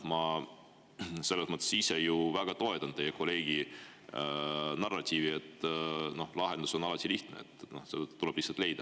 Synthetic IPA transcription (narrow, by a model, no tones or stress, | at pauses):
mɑ | se̞lːesmɤt̪ːˑesisejuvæɡ̥ɑt̪o̞et̪ːˑɑnd̪e̞jekʰo̞le̞ːɡ̥i | nɑrːɑt̪ʲiːvie̞t̪ːno̞hlɑɦe̞nd̪̥uso̞nɑlɑt̪ʲiliht̪nḛet̪ːˑno̞sed̪ut̪ule̞b̥lihsɑlt̪le̞jd̪̥ɑ